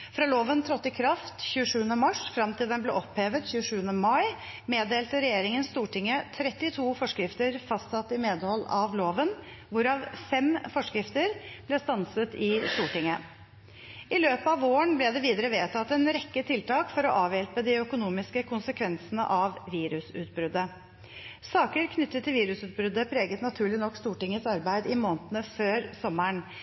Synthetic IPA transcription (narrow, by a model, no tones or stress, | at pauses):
fɾɑːloːʋənt̪ʰɾɔt̪ːɪkʰɾɑft̪çʉːəʂʉːənəmɑʂfɾɑmt̪ʰiːd̪ənblɛ̰ʔɔpheːʋət̪çʉːəʂʉːənəmɑɪ | meːd̪eːlt̪əɾɛjeːɾɪŋənst̪uːʈɪŋːət̪ʰɾɛt̪ːɪt̪ʰuːfɔʂkɾɪft̪əɾfɑst̪sɑt̪ːɪmeːd̪əhɔlːɑʋloːʋən | ʋʊɾɑʋfɛmfɔʂkɾɪft̪əɾb̥lɛst̪ɑnsət̪ɪst̪uːʈɪŋːə | ʔɪløːpəɑʋoːəɳblɛd̪ɛʋiːd̪əɾəʋeːt̪ʰɑt̪ːɛnɾɛkːət̪ʰɪlt̪ɑːkfɔɾɔʔɑːʋjɛlpəd̪ɪœkʊnuːmɪskəkʰʊnsəkʰʋɛnsənə̰ʔɑʋʋiːɾʉsʉ̰ːt̪̚bɾʏd̪ːə | sɑːkəɾkʰnʏt̪ːət̪ʰːɪlʋiːɾʉsʉːt̪̚bɾʉd̪ːəpʰɾeːɡət̪nɑt̪ʰʉːɭɪnɔkːst̪uːʈɪŋːəsɑɾbæɪd̪ɪmoːnət̪ənəføːɾsɔmːəɳ